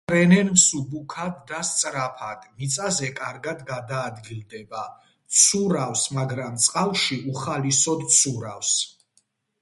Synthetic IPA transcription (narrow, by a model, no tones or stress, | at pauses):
ɾɛnɛnmsubukʰad̪ːast̪sʼɾapʰad̪̥mit̪sʼazɛkʼaɾɡad̪ɡad̪aːd̪ɡild̪ɛba | t̪sʰuɾafsmaɡɾamt̪sʼqʼalˠʃiʔuχalisɔd̪t̪sʰuɾafs